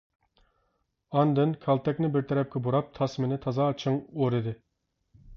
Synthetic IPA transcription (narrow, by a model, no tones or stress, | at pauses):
ɑnd̪ɨnkʲʰɑlˠt̪ʰɛkʲnɪbɪɾt̪ʰɛɾɛp̚kʲɛboɾɑp̚t̪ʰɑsmɪnɪt̪ʰɑzɑːt͡ʃʰɨŋoɾɨd̪ɪ